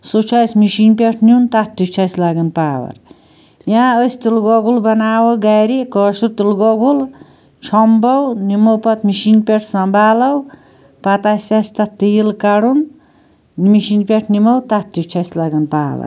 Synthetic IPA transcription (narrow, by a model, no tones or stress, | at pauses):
sut͡ʃʰasmiʃinpʲeʈʰnint̪at̪t̪it͡ʃʰasʲlaɡɐnpaːwɐ̰ɾ | jãəsʲt̪ilɡɔɡulbɐnaːwɐɡajɾikɔʃuɾt̪ilɡɔɡul | t͡ʃʰɔmbɐwnimowpɐt̪miʃinpʲeʈʰsɐmbʱaːlɐw | pɐt̪asʲasʲt̪at̪ijlkaɽun | miʃinpʲeʈʰnimɐwt̪at̪̚t̪ːit͡ʃʰaslɐɡɐnpa̰ːwɐ̰ɾ